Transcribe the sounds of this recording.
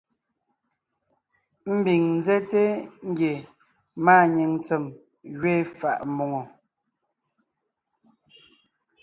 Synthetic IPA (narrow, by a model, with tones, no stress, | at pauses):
m̩˦bi˨ŋn˦zɛ˦te˦ŋ̩˦ɡje˨ | maː˦˨ɲe˨ŋt͡se˨m | ɣɥeː˦˨fa˨ʔm˦o˨ŋo˨